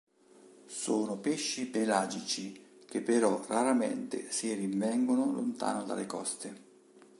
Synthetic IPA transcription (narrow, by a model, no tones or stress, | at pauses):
soːnʊpeʃːibelaːd͡ʒit͡ʃik̟epːeɾɔraɾamḛnt̪ɪ̰sirimvɛŋɡonʊlʊ̰nt̪a̰ːnod̪a̰lekɔ̰st̪e